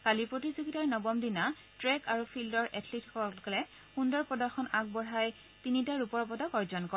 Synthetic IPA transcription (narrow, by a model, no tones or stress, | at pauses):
kalipɹotizoɡitaɹnɔbɔmdina | tɹɛkaɹupʰildɔɹʔɛtʰlitʰkɔkɔlɛ | xundɔɹpɔdaxʰɔnak̚bɔɹaj | tinitaɹupɔɹpɔdakɔɹzɔnkɔ